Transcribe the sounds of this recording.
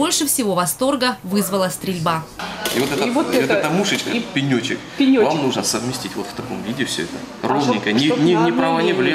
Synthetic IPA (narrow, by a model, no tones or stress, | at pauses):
bo̞lʲʂɨfsʲɪvo̞vɐst̪o̞rɡəvɨzvəlˠəst̪ɾʲɪlʲbaḭvot̪ɛt̪əvot̪ɛt̪əmuʂɨt͡ʃkəpʲɪnʲot͡ɕɪ̰k̚ | vamnuʐnəsəvmʲɪsʲtʲitʲvo̞t̪ft̪ɐko̞̰mvʲidʲɪfsʲɵ̰ɛt̪ə | rolnʲɪŋʲkəjnʲɪnʲɪnʲɪpɾɐvanʲɪvlʲe